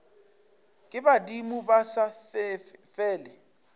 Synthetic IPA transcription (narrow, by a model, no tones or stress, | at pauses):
kʼɪbadimubasaffɛːlɪ